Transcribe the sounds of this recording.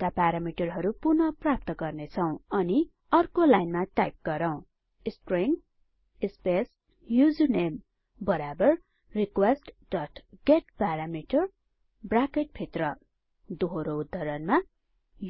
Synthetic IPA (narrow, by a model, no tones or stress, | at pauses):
kapaɾamiʈʌrɦʌɾupurnʌprap̚t̪ʌɡʌrnet͡sʰʌw̃ʌni | ʌrkolajnmaʈajp̚ɡ̥ʌɾʌw̃ | sʈriŋ | spes | jud͡zunem | bʌɾabʌr | rikwesʈd̥ʌʈʰɡ̥eʈpaɾamiʈʌr | brakeʈ̚pʰet̪rʌ | d̪uɦoɾoud̪ʱːʌɾʌnma | j